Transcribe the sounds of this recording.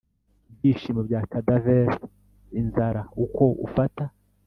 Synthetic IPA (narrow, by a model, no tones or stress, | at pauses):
bjiːʃiːmabɟaːkadaveɾ | inzaɾauko̞ṵfata